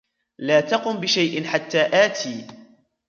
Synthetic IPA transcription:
laːt̪ɑqʊmbɪʃajʔɪnħat̪ːaːʔaːt̪ʰiː

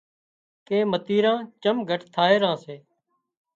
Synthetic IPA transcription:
kẽːmət̪iːɾãːt͡ʃəmɡʱəʈt̪ʰaːeːɾãːseː

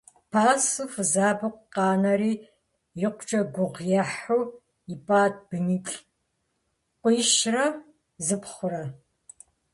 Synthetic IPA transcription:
pʰaːsɨfɨzaːbɨqʷqɑːnɐɾiː | jɪqʷt͡ʃʼɐɡʷʊʁjɐħuw | ipʼaːt̚b̥ɨniːt͡ɬʼ | qʷʊjʃrɐ | zɨpχʷʊrɐ

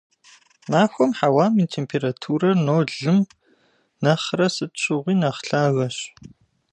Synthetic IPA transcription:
maːxʷɔmħawaːmintʰeːmpʰeːɾatʰuːrɐrnoːɮɨm | nɐχrɐsɨtɕɪʁʷiːnɐχɬaːɣɐɕ

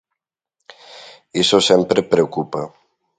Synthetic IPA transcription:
isosɛmpɾepɾeokupa

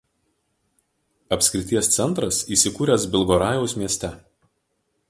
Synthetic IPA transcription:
ɐpʲsʲkʲɾʲɪt̪ʲiɛst̪sʲɛnˑt̪ɾɐsiːsʲɪkuːɾʲɛˑsbʲɪlˠɡɔːɾɑːjɛʊsmʲiɛsʲt̪ʲɛ

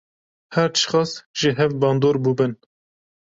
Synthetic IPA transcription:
hɛɾt̪ʃχɑːsʒ̥ɨɦɛvbɑːnd̪oːɾbubɨn

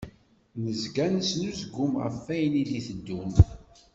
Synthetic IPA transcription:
nəzɡænəsnuzɡʊmʁə̰fːæjniðiθəd̪ːum

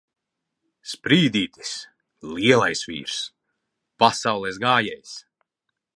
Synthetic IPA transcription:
spɾiːd̪iːt̪i̥s | lʲiɛlˠajsvʲḭːɾs | pasawlˠɛsɡaːjɛjs

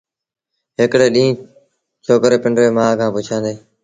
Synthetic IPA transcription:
ɦɪkɽeːɗĩː | t͡ʃʰoːkɾeːpɪɳɖɾeːmaːkʰãːpʊt͡ʃʰãːnd̪eː

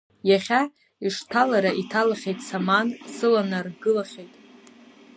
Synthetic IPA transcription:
jaχʲa | iʂtʰalaɾaʔitʰalaχʲejtʼsamansɨlanarɡɨlaχʲejtʼ

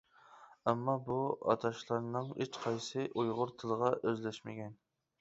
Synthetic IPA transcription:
ɛmːɑbuɑ̰t̪ʰɑʃlˠɑɾnɨŋet͡ʃqʰɑjsɨʔujʁʊɾt̪ʰɨlˠəʁɑʔøzlæʃmɪɡʲɛn

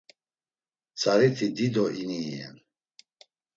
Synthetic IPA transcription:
t͡sʰaɾit̪ʰid̪id̪ɔʔiniːɛ̰n

